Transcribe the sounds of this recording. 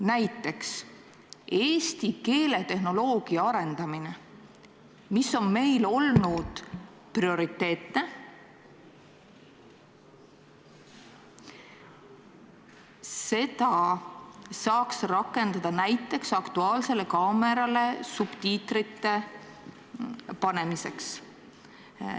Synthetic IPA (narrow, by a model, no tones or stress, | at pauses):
næjt̪ːˑe̞ks | e̞ːst̪ike̞ːle̞t̪e̞hno̞lo̞ːɡ̥iɑɑɾe̞nd̪̥ɑmine̞ | miso̞nme̞jlo̞lnud̪̥ | prio̞ɾit̪ːe̞ːt̪ne̞ | se̞d̪ɑ | sɑːksrɑkːˑe̞nd̪̥ɑd̪̥ɑnæjt̪ːˑe̞ksɑkt̪uɑːlse̞le̞kɑːme̞ɾɑle̞sub̥t̪iːt̪rit̪ːe̞ | pɑne̞mise̞ks